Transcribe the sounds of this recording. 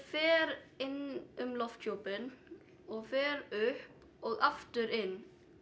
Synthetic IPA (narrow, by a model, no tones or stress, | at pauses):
feːɾɪnʔʉmlɔft̪çɔpən | oːfeːɾøːhp | ʔoːɡɑft̪əɾɪn